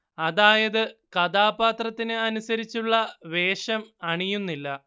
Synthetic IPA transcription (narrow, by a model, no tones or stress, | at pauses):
ɐðaːjɐðɨkɐd̪aːbaːt̪rɐt̪ːinɨɐnusɐɾit͡ɕːuɭːɐʋe̞ːʂɐmɐɳijunːilːɐ